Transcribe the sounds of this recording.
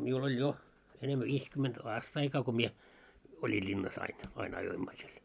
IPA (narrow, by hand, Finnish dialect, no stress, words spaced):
miul olʲ jo enemːæ ʋiːskyment ɑːstɑikɑː ko mie olʲi lʲinːɑs ɑin ɑin ɑjoimːɑ siel